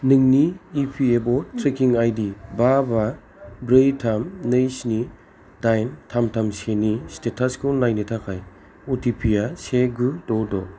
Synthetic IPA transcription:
nɯŋniːpʰiebɔtʰɾekiŋajdibaba | bɾejtʰamnɯjsni | d̥ajntʰamtʰamsenistetʰaskonajnitʰakʰaj | utipʰijaseɡudɔdɔ

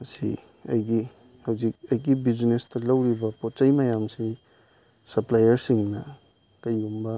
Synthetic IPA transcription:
mɐsḭ | ɐjɡi | hɐwzik̚ɐjɡibid͡ʒnestɐlɐwɾibɐpot̚t͡ʃɐjmɐjamsi | sɐɾplajɐɾsiŋnɐ | kɐjumbɐ

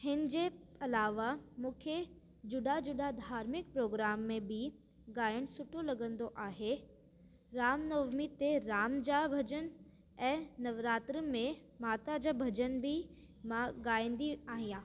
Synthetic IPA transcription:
ɦɪnɪ̆d͡ʑeɐlaːʋamũːkʰe | d͡ʑʊɗad͡ʑʊɗad̪ʱaːɾmɪk̚pɾoːɡɾaːmːẽbʱɪ | ɡaːjəɽ̃sʊʈʰolɐɡə̃nd̪oʔaːɦe | ɾaːmnɐʋmit̪eɾaːmd͡ʑabʱɐd͡ʑən | ɛ̃ːnɐʋɾaːt̪ɾəmẽ | maːt̪ad͡ʑabʱɐd͡ʑənbʱɪ | mãɡaːj̃n̆d̪iaːɦĩjãː

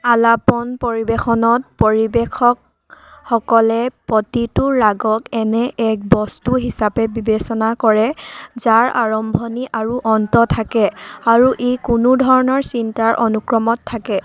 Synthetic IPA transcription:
alapɔnpɔɹibexɔnɔt̚pɔɹibekʰɔk̚ | hɔkɔlɛpɔtitʊːaɡɔkɛnɛʔɛk̚bɔstuɦisapɛbibesɔnakɔɹɛzaɹaɹɔmbʱɔniʔaɹuʔɔntɔtʰakɛaɹuʔejkunudʱɔɹɔnɔɹsintaɹʔɔnukɹɔmɔtʰːakɛ

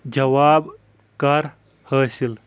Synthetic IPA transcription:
d͡ʒɐwaːb | kɐɾ | həːsil

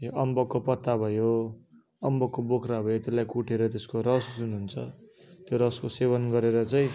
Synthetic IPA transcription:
joʔʌmbʌkːopʌt̪ːabʱʌjo | ʌmbʌkːobokʰɾabʱʌjot̪elːajkuʈʰeɾʌt̪eskoɾʌsd͡zunɦunt͡sʰʌ | t̪joɾʌskoseβʌnɡʌɾeɾʌt͡sʌĩ

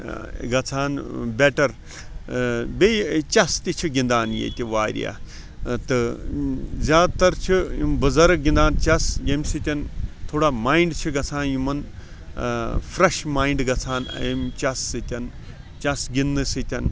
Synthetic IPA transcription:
ɡɐt͡sʰaːnbeʈɐɾ | bet͡ʃɐst̪it͡ʃʰiɡʲĩnd̪aːnjḛt̪ʲiʋaːɾʲḭja̰ː | t̪ɨ | zʲaːt̪ɐɾt͡ʃʰiumbɨzɐɾɨɡĩnd̪aːnt͡ʃɐsjemsit̪ʲɐnt̪ʰoːɽaːmaːiɳɖt͡ʃʰiɡɐt͡sʰaːnjumɐn | fɾɐʃmaːiɳɖɡɐt͡sʰaːn̰jemt͡ʃɐsːɨt̪ʲɐn | t͡ʃɐsɡinːɨsɨt̪ʲɐn

